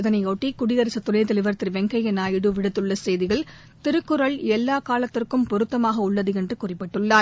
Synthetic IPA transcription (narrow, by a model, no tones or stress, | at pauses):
ðɐnɐɪoːʈːikʊɽɪðɐɾɪsɐt̪ːʊnɐjɐt̪ɐlɪʋɐɾɐt̪ːɪɾʋɛŋɡɐjɛnaːjɪɽɯʋɪɽɯt̪ːɯɭːɐsɛjðɪɣɐɭ | t̪ɪɾɯkːɯɾɐɭɛlːaːkaːlɐt̪ːɪrkɯmpɔɾɯt̪ːɐmaːɣɐʊɭːɐðɯɛndrɯkʊrɪpːɪʈːɯɭːaː